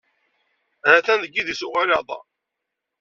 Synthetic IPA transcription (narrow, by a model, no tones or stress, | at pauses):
ɾæθænðəɡːiðisuʁalɑðˤɑ̰